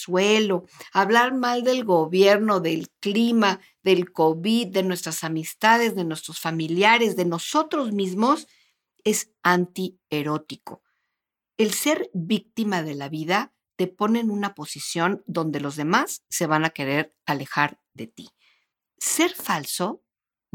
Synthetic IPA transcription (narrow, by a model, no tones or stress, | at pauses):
swe̞lo̞aβlaɾmald̪e̞lɣo̞βje̞ɾno̞ðe̞lklima | ðe̞lko̞βiðːe̞nwe̞st̪ɾasamist̪aðe̞zðe̞nwe̞st̪ɾosfamiljaɾe̞zðe̞no̞so̞t̪ɾo̞zmizmo̞s | e̞s | ant̪i | e̞ɾo̞t̪iko̞̥̰ | e̞lse̞ɾβik̚t̪imaðe̞laβiða | t̪e̞po̞ne̞ːnũnapo̞sisjo̞nd̪o̞nd̪e̞lo̞zðe̞masːe̞βanake̞ɾe̞ɾ | ale̞xaɾ | ðe̞t̪i̥ | se̞ɾfalso̞